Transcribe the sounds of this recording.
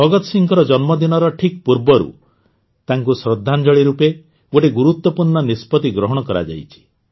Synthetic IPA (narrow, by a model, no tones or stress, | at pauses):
bʱɔɡɔt̪ɔsiŋkɔɾɔd͡ʒɔnmɔd̪inɔɾɔʈʰik̚puɾbɔɾṵ | t̪aŋkusɾɔd̪ʱːand͡ʒɔɭiɾupe | oʈiɡuɾut̪wɔpuɾɳɔnispɔt̪iɡɾɔɦɔɽ̃ɔkɔɾa̰d͡ʒa̰jt͡ʃʰi̥